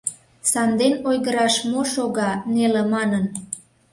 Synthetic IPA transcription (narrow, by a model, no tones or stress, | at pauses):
sɑnd̪enojɣəɾɑʃmoʃoɣɑnelemɑnən